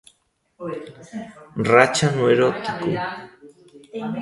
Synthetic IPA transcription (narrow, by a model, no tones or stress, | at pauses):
rat͡ʃanweɾot̪ɪku